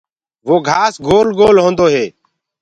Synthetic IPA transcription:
ʋoːɡʱaːsɡʱoːlɡoːlɦõːnd̪oːɦeː

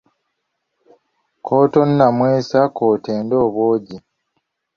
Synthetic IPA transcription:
kʰo̞ːto̞nːamweːsakoːteːndo̞ːβwo̞ːɟi

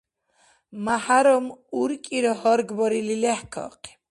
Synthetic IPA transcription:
mahaɾɔmuɾkʼiɾɔhɔɾɡbɔɾililɛhkʰɔ̰qʰʼi̥

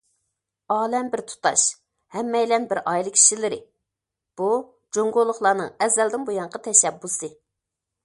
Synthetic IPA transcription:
ɑːlɛmbɪɾt̪ʰu̥t̪ɑ̰ʃ | hɛmːɛjlɛnbɪɾɑjlˠɨkʲʰi̥ʃilɪɾɪ | b̥u | d͡ʒoŋɡolˠʊχlˠɑːnɨ̰ŋɛzɛld̪ɪnbojɑɴqʰɑt̪ʰɛʃɛbːusɨ

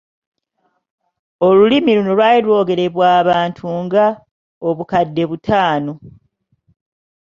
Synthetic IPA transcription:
o̞lulimiluno̞lwaːlilwo̞ːɡe̞ɾe̞βwaːβaːntʰuŋɡa | oβukadːe̞βutʰaːno̞

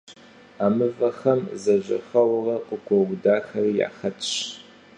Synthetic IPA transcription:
aːmɨvɐxɐmzɐʑɐ̰xɐwrɐqʷʼəɡʷʰɔwdaːxɐrija̰ːxɐtʰʼɕ

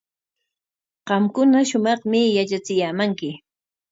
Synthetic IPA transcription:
ɢɑmkʊnaʃʊmɑχmɪjat͡ʃat͡sɪjaːmaŋkɪ

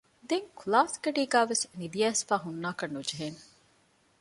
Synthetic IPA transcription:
d̪eŋkulaːsɡeɖiːɡæːʋesnid̪iæːsfaːɦunːaːkɐnːud͡ʒeɦeːn

